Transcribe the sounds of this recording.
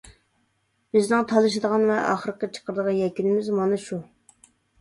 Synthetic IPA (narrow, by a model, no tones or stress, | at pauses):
b̥ɪznɨŋt̪ʰɑlˠɨʃ̬ɨd̪əʁɑnvɛʔɑ̰χəɾəqət͡ʃʰə̥qʰəɾəd̪əʁɑjɛkʲynɪmɪzmɑnɨʃu